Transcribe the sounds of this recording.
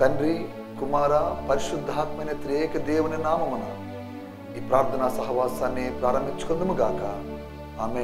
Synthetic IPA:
t̪ɐnɾi | kumaːɾaːpɐɾiʃud̪ʱːaːt̪mɐjnɐt̪ɾijɛːkɐd̪ɛːʋɐnɐnaːmɐmɐnɐ | iːpɾaːɾt̪ʰɐnaːsɐɦɐʋaːsaːnːipɾaːɾɐmbʱit͡ʃːu̥kond̪ɐmuɡaːkɐ | aːme

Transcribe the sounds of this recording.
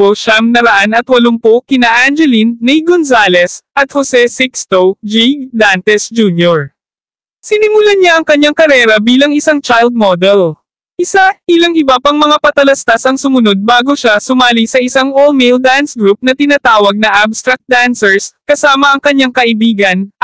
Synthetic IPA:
poʃaŋnɐɾɐʔanɐt̪wɐlompokɪnaʔand͡ʒɛlinːijɡonsaːlɛsʔɐt̪̚hosɛsɪkst̪owd͡ʒiɡ̚d̪ant̪ɛsd͡ʒuːnjoɹ | sɪnɪmʊlaɲaʔɐŋkɐɲːaŋkɐɾɛːɾɐbiːlɐŋɪsaŋt͡ʃajld̪̚mod̪ɛl | ʔɪsaʔɪlɐŋɪbapɐŋmɐŋapɐt̪ɐlɐst̪asɐŋsʊmʊno̞d̪̚baːɡoʃasʊmaːlisɐʔɪsaŋolmeld̪ansɡɾup̚nɐt̪ɪnat̪aːwɐɡ̚nɐʔabst̪ɾɐk̚t̪̚d̪ansɛɹskɐsaːmɐɐŋkɐɲaŋkɐʔɪbiːɡɐn

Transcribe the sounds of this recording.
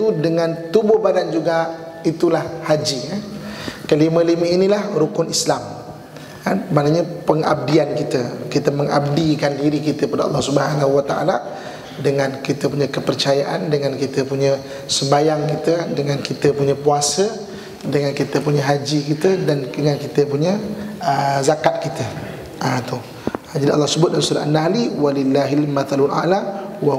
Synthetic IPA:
t̪udəŋãnt̪ubʊhbadand͡ʒuɡa | it̪ulahhad͡ʒikankəliməliməinilahɾukʊnislam | kanmanaɲəpəŋa̰b̚diankit̪əkit̪əməŋa̰b̚dikandiɾikit̪əkəpadaɑ̰lːɑhsubəɦanaɦuwat̪aʔa̰la | dəŋãnkit̪əpuɲəkəpərt͡ʃajaʔandəŋankit̪əpuɲə | səmbajaŋkit̪ədəŋãnkit̪əpuɲəpuasə | dəŋankit̪əpuɲəɦad͡ʒikit̪ədanəŋankit̪əpuɲəəzakat̪̚kit̪ə | ʔat̪ʊ | d͡ʒadiʔɑlːɑhsəbʊt̪̚damsuɾaʔanaliwalilːaɦilmat̪alulʔa̰lawa

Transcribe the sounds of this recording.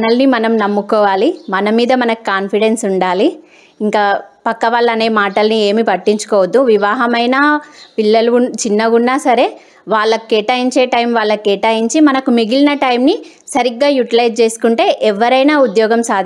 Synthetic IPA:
nɐlnimɐnɐmnɐmːukɔːʋaːlimɐnɐmiːd̪ɐmɐnɐku̥kaːnpʰiɽe̞nsuɳɖaːliː | ŋkaːpɐkːɐʋaːɭːɐne̞ːmaːʈɐlnieːmipɐʈːiɲt͡ʃu̥kɔːʋɐd̪ːuʋiʋaːɦɐmɐjnaːpilːɐlut͡ʃinːɐɡuɳːaːsɐɾe̞ː | ʋaːɭːɐkkːɛːʈaːjiɲt͡ʃeːʈɐjmʋaːɭːɐkːɛːʈaːjiɲt͡ʃimɐnɐkumiɡilinɐʈɐjmni | sɐɾiɡːaːjuʈilɐjʈ̚t͡ʃe̞ːsu̥kuɳʈe̞ːʔɛʋɐɾɐjnaːud̪jɔːɡɐmsaːd̪ʱ

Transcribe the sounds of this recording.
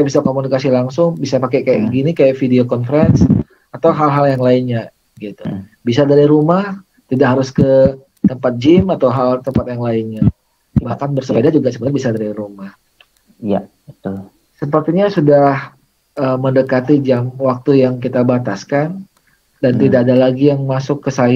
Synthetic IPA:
aʔbisakomunikasilaŋsʊŋbisapakɛkajaʔɡinikajaʔfideokɔnfəɾɛns | at̪awɦalɦaljaŋlaɪnɲa | ɡit̪ubisadaɾiɾumah | t̪idaʔɦaɾʊskə | t̪əmpat̪̚d͡ʒɪmat̪awɦalt̪əmpat̪̚jaŋlaɪnɲa | bahkanbərsəbadad͡ʒuɡasəpbənbisadaɾiɾumah | ja | ət̪ʊl | səpərt̪iɲasudah | ʔəmːəndəkat̪id͡ʒamwak̚t̪ujaŋkit̪abat̪askan | dant̪idaːdalaɡijaŋmasʊkːəsaj

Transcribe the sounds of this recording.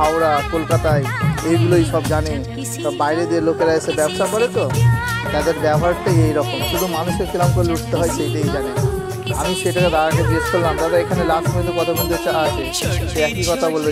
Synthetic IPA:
awɾakolkat̪aeejɡuloiʃɔbd͡ʑane | t̪ɔbajɾed̪ieɾlokeɾaeʃebɛbʃakɔɾet̪ot̪ad̪eɾbɛboɦaɾʈajejɾɔkomʃud̪ʱumanuʃeɾfilamkoɾleuʈʰt̪eɦɔeʃejʈejd͡ʑane | a̰miʃejʈaked̪aɾakebiskolːamd̪ad̪aekʰanelakbend̪ukɔt̪ʰakund̪et͡ɕaaʃe | ʃeɛkikɔt̪ʰabolbe

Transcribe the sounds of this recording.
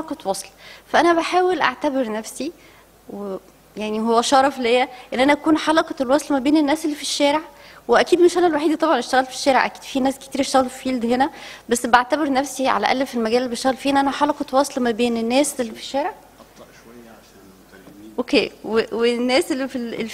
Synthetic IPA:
ħɑlɑqɑwɑsˤlfæʔænæβæħaːwelʔa̰ʕt̪æbeɾnæfsi | we | jaʕnihowːæʃɑːɾˤɑflejːæʔenːʔænæʔækuːnħɑlɑqɑlwɑsˤlmæbeːnenːæːsʔelːifiʃːæːɾeʕweʔækiːd̪meʃʔænælwaħiːd̪t̪ˤɑbʕɑnʔeʃt̪æɣælfi̥ʃːæːɾeʕʔæ̰kiːd̪finæːske̥t̪iːɾʔeʃt̪æɣælffiːld̪henæbæsːbʔaʕt̪æbeɾnæfsiʕa̰læ̰ʔæ̰lːfelmæɡæːleːibeʃt̪æɣælfiːʔenʔænæħɑlɑqɑwɑsˤlmæbeːnenːæːsʔelːifi̥ʃːæːɾeʕ | ʔokeːwewenːæːsʔelːifillː

